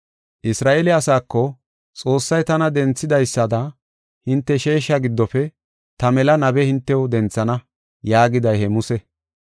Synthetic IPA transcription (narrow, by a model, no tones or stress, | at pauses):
ʔɪsɾaːʔɛlɪɐsaːkːɔ | t͡sʼo̞ːsːɐjt̪ɐnɐd̪ɛnt͡sːɪd̪ɐjsːɐd̪ɐ | hɪnt̪ːɛʃe̞ːʃːɐɡɪd̪ːɔfɛ | t̪ɐmɛlɐnɐbɛhɪnt̪ːɛwʊd̪ɛnt͡sːɐnɐ | jaːɡɪd̪ɐjhɛmʊsɛ